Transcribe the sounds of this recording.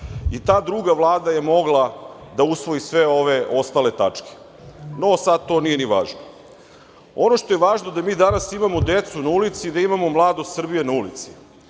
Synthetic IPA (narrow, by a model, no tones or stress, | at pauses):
it̪aːd̪ɾuɡaʋlˠaːd̪aje̞mo̞ɡlˠad̪ausʋo̞jisʋe̞o̞ʋeo̞st̪aːle̞t̪at͡ʂke̥ | nosad̪̚t̪o̞ːnijeniʋa̰ːʒno | o̞no̞ʂt̪o̞jeʋaːʒnod̪amiːd̪anasimamod̪e̞t̪sunaulit̪siːd̪aimamo̞mlˠaːd̪ost̪sr̩bijenaulit̪si̥